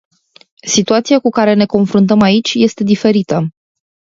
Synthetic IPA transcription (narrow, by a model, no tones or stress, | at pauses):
sit̪uat̪siakukaɾe̞ne̞ko̞nfɾunt̪əmait͡ʃʲje̞st̪e̞d̪ife̞ɾit̪ə